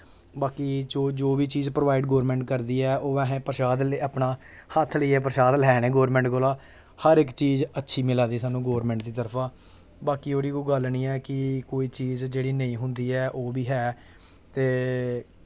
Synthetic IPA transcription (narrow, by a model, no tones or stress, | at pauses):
baːkiːd͡ʒoːd͡ʒoːbiːt͡ʃiːzpɾʋaːɪɖɡoːɾmɛ̃ːɳʈ̚kəɾd̪iːɛːʔoːʋɛ̃ːɦɛ̃ːpəɾʃaːd̪lːaːpnaː | hət̪ʰləiːɛːpəɾʃaːd̪lɛːɽ̃ẽːɡoːɾmɛ̃ːɳʈɡoːlaː | həɾɪkt͡ʃiːzətːʃʰiːmɪlaːd̪iːsaːnũːɡoːɾmɛ̃ːɳʈ̚d̪iːt̪əɾpʰãː | baːkiːoːɽiːkoːɡəlniːɛːkɪkoːiːt͡ʃiːzd͡ʒeːɽiːnəĩːɦʊnd̪iːɛːʔoːbiːɦɛː | t̪eː